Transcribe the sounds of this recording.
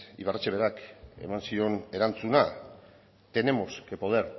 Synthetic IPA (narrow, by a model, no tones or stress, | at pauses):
ḭβart͡ʃeβe̞ɾake̞̰mansio̞ne̞ɾant͡suna | t̪e̞ne̞mo̞skepo̞ðeɾ